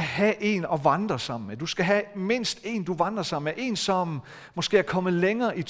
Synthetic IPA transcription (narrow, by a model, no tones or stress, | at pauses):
hæʔe̝ːnɒ̽ʋɑ̈nd̥ʁɐsɑ̈m̰n̩med̥usɡ̥æɦæme̝n̰sd̥e̝̰ːnd̥uʋɑ̈nd̥ʁɐsɑ̈m̰n̩meʔe̝̰ːnsɒ̽m | mːɒ̽sɡ̥e̝̰ːɐkʰɒ̽məleŋɐːʔit͡sʰ